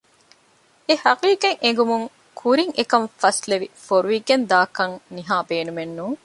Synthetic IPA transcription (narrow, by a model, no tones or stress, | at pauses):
ehɐqiːkeŋeŋ̆ɡumuŋ | kʰuɾiŋʔekɐɱfɐsleʋifoɾuʋiɡend̪aːkɐŋniɦaːbeːnumenːuːŋ